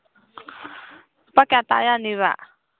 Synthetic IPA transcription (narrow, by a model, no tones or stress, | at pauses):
pakɛat̪a̰janiβa̰ʔ